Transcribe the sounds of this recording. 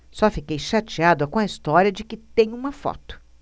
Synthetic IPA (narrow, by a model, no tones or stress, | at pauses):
sɔfikejʃat͡ʃiad̪ʊkõɐist̪ɔɾiɐd͡ʒɪkɪt̪ẽj̃ũmɐfɔ̰t̪ʊ̥